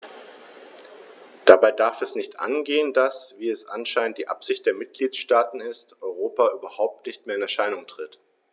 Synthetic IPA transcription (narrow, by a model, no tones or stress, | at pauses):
d̥abaɪdaɐfɛsnɪçtʔa̰nɡeːəndasv̥iːɛsʔa̰nʃaɪnənt̚d̥iːʔa̰pz̥ɪçt̚d̥eːɐmɪt̚ɡ̥liːtʃtaːtn̩ɪstʔɔʏʁ̞oːpaʔyːbɐhaʊp̚tnɪçt̚meːɐɪnɛɐʃaɪnʊŋtʁ̥ɪt